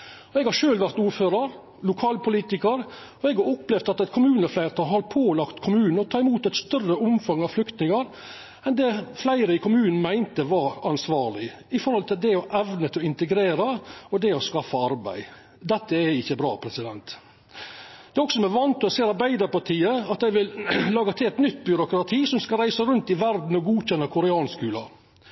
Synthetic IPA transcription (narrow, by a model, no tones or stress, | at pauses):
ɔɛɡhɑɾʂøːlʋæɾt̪uːɾføːɾɑɾ | lʊkʰɑːlpʊliːt̪ɪkəɾ | ɔɛɡɑɾɔpːlɛʋd̪ɑt̪ɛt̪kʰʊmʉːnəflæɪɾt̪ʰɑɦɑɾpʰoːlɑkt̪kʰʊmʉːnn̩ɔt̪ʰɑːɪmuːt̪ɛt̪st̪œrəʊmfɑŋɑʋflʏkt̪nɪŋɑɾ | ɛnd̪ɛflæɪɾəɪkʰʊmʉːnn̩mæɪnt̪əʋɑɾɑnsʋɑːɾlɪ | ɪfɔɾhɔlt̪ʰɪld̪ɛɔʔɛʋnət̪ʰɪɔɪnt̪əɡɾeːɾəɔd̪ɛɔskɑfːəɑɾbæ̰ɪ | d̪ɛt̪ːəɛɪçːəbɾɑ̰ːpʰɾɛsɪd̪ɛnt̪ | d̪̥ɛːɔksɔsɔmæʋɑnt̪ɔɔseːɑɾbæɪd̪əɾpɑʈʰiːəɑt̪̚d̪æɪʋɪllɑːɡət̪ʰɪlɛt̪nʏt̪ːbʏɾʊkɾɑt̪ʰiːsɔmskɑɾæɪsəɾʉnt̪ɪʋæɾd̪n̩ɔɡuːçɛnːəkʰʊɾɛɑːnskʉːlɑ